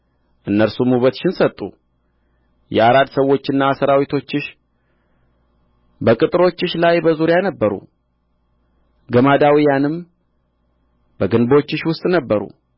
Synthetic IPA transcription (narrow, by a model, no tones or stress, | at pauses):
ʔɨnːəɾsumhuβət̪ʃɪnsət̪ʼːṵ | jɛ̰aɾad̪səwːo̞t͡ʃːɨnːasəɾawit̪ʰo̞t͡ʃːɪʃ | bəkʼɨt̪ʼɨɾo̞t͡ʃːɨʃlajbəzuɾjanəbːəɾṵ | ɡəmad̪awijanɨm | bəɡɨnbot͡ʃːɪʃwʊst̪ʼnəbːəɾṵ